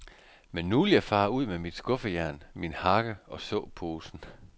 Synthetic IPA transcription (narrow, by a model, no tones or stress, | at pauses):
menːuljɑ̈fɑ̈ːuð̞̰ˠmemid̥sɡ̥ɔ̽fəjæɐnminhɑ̈ɡ̥əɒ̽sɔ̰̽ːpʰo̝ːsn̩